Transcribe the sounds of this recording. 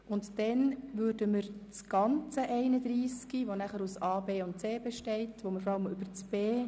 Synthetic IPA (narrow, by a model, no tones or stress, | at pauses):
ʊntdɛnʋʏːɾdəməɾt͡sɡ̥ɑnt͡səʔɛɪnəd̪ɾiːskiʋonæχəɾusɑːbeːʊnt̚t͡seːbɛʃtɛɪtʋoməɾfɔɾɑləmʏbəɾt͡sb̥eː